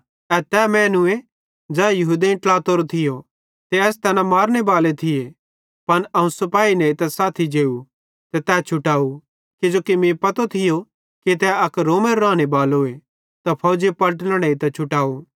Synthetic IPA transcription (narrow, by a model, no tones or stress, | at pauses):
ɛt̪ɛmɛːnʊe | d͡ʒɛːjɐɦud̪iĩʈlaːt̪oɾot̪ʰɪjo | t̪eɛːst̪ɛːnamaːɾɽ̃ebaːlet̪ʰɪje | pɐnɐũsɐpaːineit̪ɛsaːt̪ʰid͡ʒeːu | t̪ɛt̪ɛːt͡ʃʰʊʈaːu | kid͡ʒoːkimẽpɐt̪ot̪ʰɪjo | kit̪ɛɐkɾoːmeɾɾãːɽ̃ebaːloːe | t̪ɐpʰɐːd͡ʒepɐləʈ̬lɽ̃eit̪ɛt͡ʃʰʊʈaːu